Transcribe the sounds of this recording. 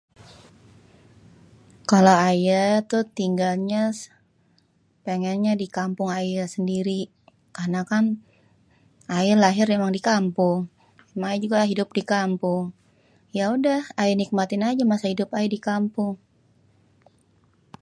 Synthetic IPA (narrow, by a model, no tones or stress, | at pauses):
kalaajat̪ʊht̪iŋɡalɲa | peŋɛnɲadikampʊŋajasəndiɾi | karnakan | ajalaɦɪrmemaŋdikampʊŋ | emaŋajad͡ʒuɡaɦidʊp̚dikampʊŋ | jaudahajanik̚mat̪ɪnad͡ʒamasahidʊpajadikampʊŋ